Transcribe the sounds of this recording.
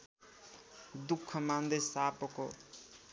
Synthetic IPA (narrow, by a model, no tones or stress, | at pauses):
d̪ukʰːʌmand̪ʌjsapʌko